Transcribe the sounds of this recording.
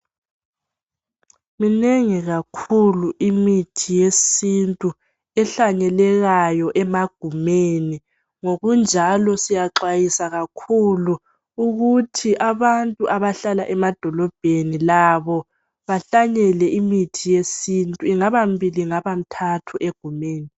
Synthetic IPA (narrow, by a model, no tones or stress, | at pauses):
mineŋiɣakʰuluʔimitʰijesintʼu | ɛɬaɲɛlɛɣajɔʔɛmaɡ̥ʱumeːni | ŋoɣund͡ʒʱalɔsijaǁwajisaɣakʰulu | uɣutʰiʔaβantʼuʔaβaɬalaʔɛmad̥ʱɔlɔb̥ʱenilaβɔ | βaɬaɲɛlɛʔimitʰijesintʼuiŋaβambʱiliŋaβam̩tʰatʰuʔeɡ̥ʱumeːni